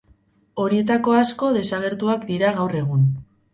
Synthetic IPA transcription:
o̞ɾie̞t̪ako̞asko̞ðe̞saɣ̞e̞ɾt̪uakd̪iɾaɣ̞awre̞ɣ̞un

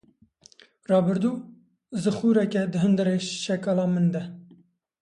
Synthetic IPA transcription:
rɑːbɨɾd̪uː | zɨxuːɾɛkɛd̪ɨɦɨnd̪ɨɾeːʃɛkɑːlɑːmɨnd̪ɛ

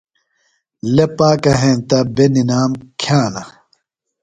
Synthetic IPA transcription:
lepaːkɐɦẽnt̪ɐbeninaːmkʰjãːlɐ

